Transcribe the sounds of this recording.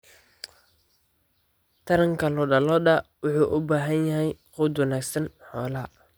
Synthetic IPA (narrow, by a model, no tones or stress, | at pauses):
t̪ʰɐɾɐŋkʰɐlɔɖɐlɔɗɐwʊħuːʔʊbaːɦɐnjɐɦɛjχʊd̪wɐnaːɡsɐnħɔːlɐ